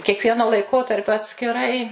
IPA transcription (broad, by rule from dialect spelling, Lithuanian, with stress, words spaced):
kʲiɛkˈʋʲiɛnoː lˠɐɪˈkoːtɐrʲpʲoː ɐtʲsʲkʲɪˈrɐɪ